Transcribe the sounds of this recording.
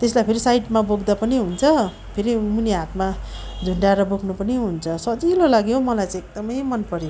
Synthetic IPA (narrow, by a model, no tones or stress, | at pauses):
t̪eslajpʰeɾisajʈmaboɡd̪apʌniɦunt͡sʰʌ | pʰeɾimuniɦat̪ma | d͡zʱuɳɖaeɾʌboɡnupʌniɦunt͡sʰʌsʌt͡silolaɡjomʌlajt͡sãek̚d̪ʌmʌjmʌnpʌɾje